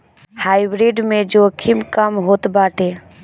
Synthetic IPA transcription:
haːibɾiɖmẽd͡ʒokʰimkəmɦoːt̪baːʈe

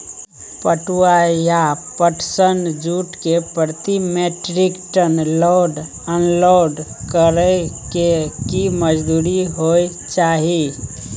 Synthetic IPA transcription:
pəʈuajapəʈsəɳd͡ʒuʈkepəɾt̪imeʈɾikʈənloɖ | ənloɖkəɾəkekiməd͡ʒd̪uɾiɦoj | t͡ʃaɦi

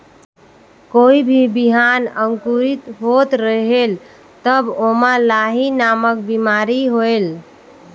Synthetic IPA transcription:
koibʱibiɦanəŋkuɾit̪ɦot̪ɾəɦel | t̪əbomalaɦinamək̚bimaɾiɦoel

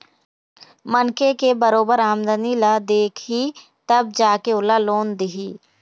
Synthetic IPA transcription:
mənkekebɐɾoːbəɾaːmd̪ənilad̪eːkʰi | t̪ɐb̚d͡ʒaːkeʊlaloːnd̪ɪɦiː

